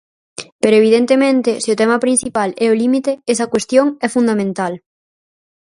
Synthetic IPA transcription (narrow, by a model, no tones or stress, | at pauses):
peɾoeβiðent̪emẽnt̪ɪseʊt̪ɛmɐpɾĩn̟θipalɛʊlimit̪eesɐkwest̪joŋɛfund̪amẽnt̪al